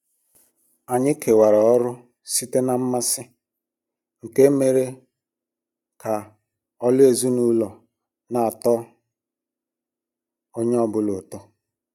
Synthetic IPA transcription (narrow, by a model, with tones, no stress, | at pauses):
a˨ɲɪ˦kʰe˨wa˨ɾa˨ɔ˦ɾʊ˦ | si˦te˦na˨m̩˦ma˦sɪ˦ | ŋ̩˨ke˦me˦˨ɾe˦ | ka˨ | ɔ˦lʊ˦e˨zu˦nu˦lɔ˨ | na˨a˨tɔ˦ | o˦ɲe˦ɔ˦bʊ˨lʊ˨tɔ˦